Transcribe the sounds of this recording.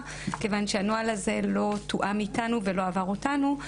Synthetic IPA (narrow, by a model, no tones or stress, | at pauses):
ke̞vanʃeanoalaze̞lo̞tuʔamitanuve̞lo̞avaʁotanu